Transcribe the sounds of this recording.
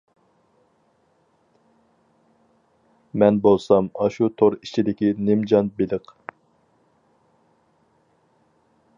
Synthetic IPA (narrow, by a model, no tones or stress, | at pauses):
mɛnbolˠsɑmɑʃut̪ʰoɾit͡ʃʰid̪ɪkʲinɪmd͡ʒɑnbɪlɪq